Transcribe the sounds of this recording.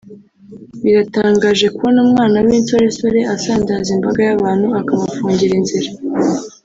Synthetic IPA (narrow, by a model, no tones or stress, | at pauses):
βiɾataːŋɡaːʒe̞kuonumŋaːnawiːnso̞ɾe̞so̞ɾe̞ʔasaːndaːzimbaɡajaβaːn̥huakaβafuːɲɟiɾinziɾa